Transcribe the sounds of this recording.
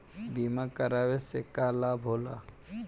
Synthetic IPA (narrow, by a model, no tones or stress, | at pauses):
biːmakɐɾaːʋesekaːlaːbʱoːla